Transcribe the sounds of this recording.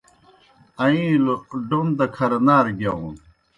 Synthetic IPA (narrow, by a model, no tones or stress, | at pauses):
ɐĩlɖond̪ɐkʰɐɾɐnaːɾɡɐũn